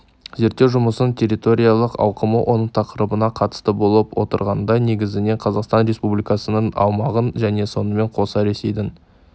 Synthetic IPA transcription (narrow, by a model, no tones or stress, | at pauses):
ze̞ɾt̪ːewʒʊməsənt̪ʲʰe̞ɾit̪o̞ɾʲijɑlˠəqɑ̰wqəməwʔo̞nəɴt̪ʰɑqəɾəbənɑqʰɑt̪ə̥st̪əbo̞lˠəpwʔo̞̰t̪əɾʁɑnd̪ɑne̞ɡʲɪzɪne̞ɴqʰɑzɑqst̪ɑnɾe̞spublijkɑsənəɴɑ̰wmɑʁənʒæne̞so̞nəme̞ɴqʰo̞sɑɾe̞se̞jd̪ɪn